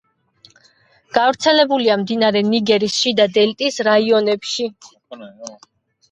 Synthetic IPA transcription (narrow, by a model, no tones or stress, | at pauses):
ɡ̥avɾt̪sʰɛlɛbuliamd̪inaɾɛniɡɛɾisʃid̪ad̪ɛlt̪ʼisɾaiɔnɛpʃi